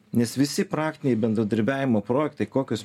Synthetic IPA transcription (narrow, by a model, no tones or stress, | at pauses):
nʲɛsʋʲɪsʲɪpɾɑːkt̪ʲɪnʲɛɪbʲɛnd̪ɾɐd̪ɐɾʲbʲæːʋʲɪmoːpɾoːjɛkt̪ɐɪkoːkʲos